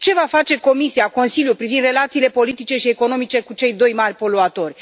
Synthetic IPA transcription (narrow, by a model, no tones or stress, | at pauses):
t͡ʃe̞vafat͡ʃe̞ko̞misiako̞nsiljupɾivind̪re̞lat̪siːle̞po̞lit̪it͡ʃe̞ʃie̞ko̞no̞mit͡ʃe̞kut͡ʃe̞jd̪o̞jmarʲpo̞loat̪o̞rʲ